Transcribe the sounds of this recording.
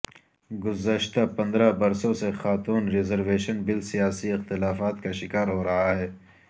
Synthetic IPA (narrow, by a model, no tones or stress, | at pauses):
ɡʊzəʃt̪apɐ̃nd̪ɾabɐɾsõsexaːt̪uːnɾɪzəɾweːʃənbɪlsijaːsiɪxt̪ɪlaːfaːt̪kaʃɪkaːɾɦoːɾɐɦaɦɛː